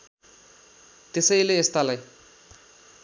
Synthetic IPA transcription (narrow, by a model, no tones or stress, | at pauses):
t̪esʌjleːst̪alaj